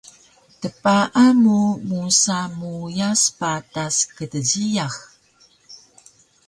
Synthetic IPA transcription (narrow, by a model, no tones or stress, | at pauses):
təpaʔamumusamujaspataskətəɟijax